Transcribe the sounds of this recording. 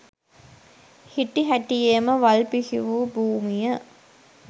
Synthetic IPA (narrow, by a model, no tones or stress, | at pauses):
hiʈːiɦæʈijeːməʋɐlpihiʋuːbuːmijə